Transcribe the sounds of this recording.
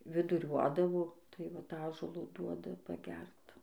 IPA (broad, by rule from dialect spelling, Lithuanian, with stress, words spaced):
ʋʲɪdʊˈrʲuɔdɐʋoː tɐɪ ʋɐt ˈɑːʒuɔlˠoː ˈduɔdɐ pɐˈɡʲɛrt